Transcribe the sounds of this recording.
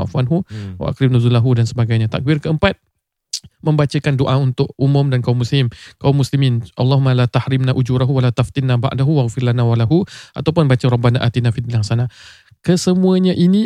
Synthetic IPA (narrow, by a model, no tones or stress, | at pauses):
a̰ʔfuanɦuwa̰ʔa̰kɾɪmnuzulaɦudansəbaɡajɲat̪a̰k̚bɪrkəəmpat̪̚ | mə̃mbat͡ʃakandoʔaunt̪ʊʔʔumʊ̃mdankaumːuslɪmkaumːuslimɪnʔa̰lːaɦumalat̪ahɾɪmnaʔud͡ʒuɾaɦuwalat̪aft̪ɪnːaba̰ʔdaɦuwaɣfɪrlanawalaɦuʔa̰t̪awpʊnbat͡ʃaɾɔbanaʔat̪inafid̪ilasana | kəsəmũəɲaʔini